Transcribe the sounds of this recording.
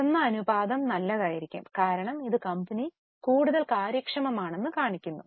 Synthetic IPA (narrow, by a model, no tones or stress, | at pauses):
enːɐɐnubaːd̪ɐmnɐlːɐðaːjiɾikʲːṵmkaːɾɐɳɐmiðɨkɐmbɐni | kuːɽuðɐlkaːɾjɐkʂɐmɐmaːɳe̞nːɨkaːɳikʲːunːu